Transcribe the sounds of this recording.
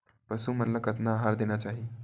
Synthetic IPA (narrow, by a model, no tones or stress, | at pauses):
pəsumənlakət̪naːɦaɾd̪enjat͡ɕaɦi